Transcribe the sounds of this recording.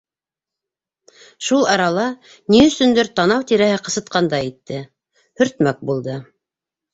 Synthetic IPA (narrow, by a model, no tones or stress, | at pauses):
ʃulˠɑɾɑlˠɑ | niɵ̆sɵ̆nd̪ɘɾt̪ɑnɑwt̪iɾæhɘqɤ̆sɤ̆t̪̚qɑnd̪ɑjit̪ːɘ | hɵ̆ɾt̪mæk̚bulˠd̪ɤ